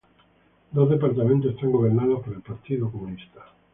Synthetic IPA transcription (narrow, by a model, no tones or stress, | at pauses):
d̪ozðep̬aɾt̪amẽnt̪osest̪aŋɡoβ̞eɾnaðospoɾelpaɾt̪iðokomũnist̪ḁ